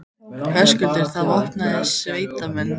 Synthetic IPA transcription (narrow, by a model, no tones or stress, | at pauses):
kʰɛ̥skʏlt̪ɪɾ̥θaðvɔht̪naðɪsveːjt̪amɛnː